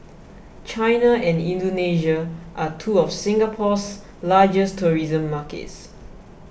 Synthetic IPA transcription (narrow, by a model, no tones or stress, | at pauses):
t͡ʃaɪnaɛ̃nĩndoneʒəʔatʰuɔfsĩŋɡapʰɔs | lad͡ʒəstʰuɹizə̃mːakḛts